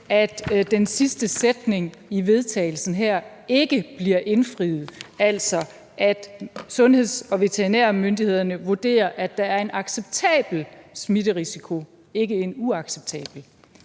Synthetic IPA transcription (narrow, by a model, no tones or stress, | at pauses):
æd̥d̥ensisd̥əsed̥ne̝ŋiʋe̝ð̞ˠt͡sʰɛ̰ːɪl̩sn̩ɦæɐ̰ | e̝ɡ̥əb̥liɐʔe̝nfʁið̩ˠæl̰sɒ̽ | ʔæd̥sɔ̽nhe̝ð̞̰ˠsɒ̽ʋe̝t͡sʰeʁinæɐmønd̥ihe̝ð̞̰ˠɐnəʋuɐd̥e̝̰ːɐʔæd̥ɑ̈æɐe̝nʔɑ̈ɡ̥seb̥̚t͡sʰɛ̰ːb̥l̩smidəʁisikʰo̝ | e̝ɡ̥əe̝nuɑ̈ɡ̥seb̥̚t͡sʰɛ̰ːb̥l̩